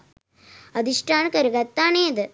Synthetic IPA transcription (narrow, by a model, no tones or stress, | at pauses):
ɐd̪ʱiʂʈʰaːɳɨkɐɾuɡɐt̪ːaːɳeɐd̪ɨ